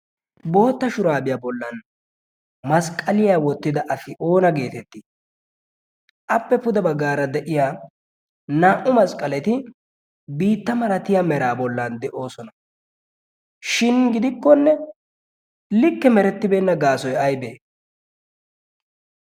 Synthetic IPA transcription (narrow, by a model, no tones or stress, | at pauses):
bo̞ːt̪ːɐʃʊɾaːbɪjaːbɔlːɐn | mɐskʼːɐlɪjaːwɔt̪ːɪd̪ɐʔɐsɪʔo̞ːnɐɡe̞ːt̪ɛt̪ːɪ | ʔɐpːɛpʊd̪ɛbɐɡːaːɾɐd̪ɛʔɪjaː | naːʔʊmɐskʼːɐlɛt̪ɪ | biːt̪ːɐmɐɾɐt̪ɪjamɛɾaːbɔlːɐnd̪ɛʔo̞ːsɔnɐ | ʃɪnɡɪd̪ɪkːɔnːɛ | lɪkːɛmɛɾɛt̪ːɪbe̞ːnːɐɡaːsɔjɐjbeː